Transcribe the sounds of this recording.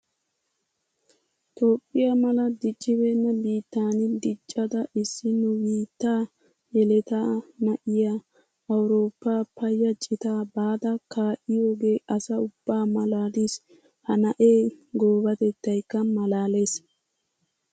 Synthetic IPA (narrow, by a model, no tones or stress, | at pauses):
t̪ʰo̞ːpʼːɪjamɐlɐd̪ɪt͡ʃʼːɪβeːnːɐbiːt̪ːaːnɪd̪ɪt͡ʃʼːɐd̪ɐɪsːɪnːʊwiːt̪ːaː | jɛlɛt̪aːmɐʔɪja | ɐwʊɾo̞ːpːaːpɐjːɐt͡ʃʼːɪt̪aːbaːd̪ɐkaːʔɪjo̞ːɡe̞ːʔɐsɐʊb̥ːaːmɐlaːd̪is | hɐnɐʔeːɡo̞ːbɐt̪ɛt̪ːɐjkːɐmɐlaːle̞ːs